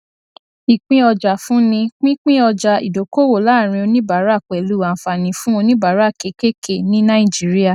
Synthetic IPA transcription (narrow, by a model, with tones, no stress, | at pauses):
i˨k͡pĩ˦ɔ˧d͡ʒa˨fũ˦nĩ˧k͡pĩ˦k͡pĩ˦ɔ˧d͡ʒa˧˨ḭ˨do˨ko˦wo˨la˨˦˨ɾ̃ĩ˧o˧nĩ˦ba˨˦ɾa˦˨k͡pɛ˨lu˦˨a˨fa˨nĩ˨fũ˦o˧nĩ˦ba˨˦ɾa˦˨ke˨˦ke˦kʰe˦˨nĩ˦nã˦i˦˨d͡ʒi˨˦ɾi˦a˦˧˨